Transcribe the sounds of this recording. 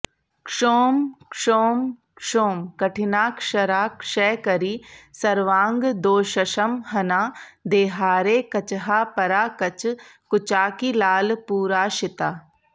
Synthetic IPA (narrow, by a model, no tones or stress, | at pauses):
kʂoːmkʂoːmkʂoːmkɐʈʰɪnaːkʃɐɾaːkʃɛːkɐɾiːsɐɾʋãːŋɡd̪oːʃɐʃəmɦɐnaːd̪eːɦaːɾeːkɐt͡ʃɦaːpɐɾaːkɐt͡ʃkʊt͡ʃaːkilaːlpuːɾaːʃɪt̪aː